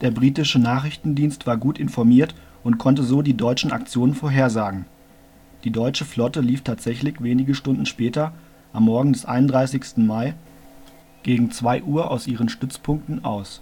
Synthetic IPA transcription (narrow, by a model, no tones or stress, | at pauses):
d̥eːɐbʁiːtɪʃənaːχʁɪçtn̩diːnstv̥aːɐɡuːtʔɪnfɔɐmiːɐt | ʔʊntkʰɔntəzoːdiːdɔʏt͡ʃn̩a̰k̚t͡sjoːnənfoːɐɦeːɐzaːɡŋ̩ | d̥iːdɔʏt͡ʃəflɔtəliːftʰaːtz̥ɛçlɪçveːnɪɡəʃtʊndn̩ʃpɛːtɐ | ʔamːɔɐɡŋ̩dɛsʔa̰ɪnʊndʁaɪsɪçstn̩maɪ | ɡ̥eːɡŋ̩t͡sv̥aɪʔuːɐʔaʊsʔiːʁ̞ənʃtʏt͡spʰʊŋk̚tn̩ʔaʊs